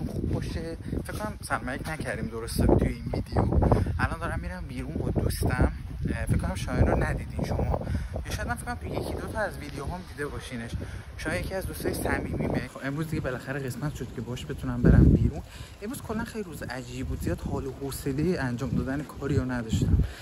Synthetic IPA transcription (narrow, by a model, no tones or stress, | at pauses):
nxubbɒʃefekʰkːonæmsæɾmæjecnæcʰæɾd̪iːmd̪oɾost̪et̪ʰujeiːnviːd̪ejoʔælɒnd̪ɒːɾæmːiɾæmbiːɾunbɔd̪ost̪æmfekkːonæmʃominɾɔnæd̪iːd̪inʃomɒ̰ːjeʃɔjæd̪mænfekʰːonæmt̪ʰejecʰid̪ot̪ʰɒæzvid̪ejoɦɒmd̪iːd̪e̞bɒːʃiːneʃ | ʃomɒːjecʰiæzd̪ust̪ɒːjisæmiːmibexoʔe̞mɾuːzd̪iɟebelæxæɾeɣesmæt̪ʃod̪̚cʰe̞bɒʃbe̞t̪ʰunæmbe̞ɾæmbiːɾunʔe̞mɾuz̥kʰo̞lːænxejliɾuːzeʔæd͡ʒiːbbuːd̪zijɒːd̪̥hɒːlohoːse̞lejiʔænd͡ʒɒːmd̪ɒːd̪ænekʰɒːɾijɒnæd̪ɒʃt̪æm